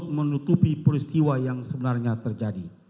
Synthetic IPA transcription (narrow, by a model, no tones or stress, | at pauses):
t̪̚mənut̪upipəɾist̪iwajaŋsəbənarɲat̪ərd͡ʒadi